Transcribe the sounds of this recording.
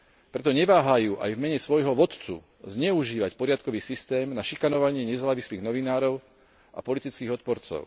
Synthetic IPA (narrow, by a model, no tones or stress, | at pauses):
pɾɛt̪ɔɲɛʋaːɦajuːʔa̰jvmɛɲɛsʋɔjɦɔʋɔt̪t͡sṵ | zɲɛuʒiːʋacpɔɾɪat̪kɔʋiːsist̪ɛːmnaʃikanɔʋaɲɪɛɲɛzaːʋisliːɣnɔʋinaːɾɔʊ | a̰pɔlit̪it͡skiːɣɔt̪̚pɔɾt͡sɔ̰ʊ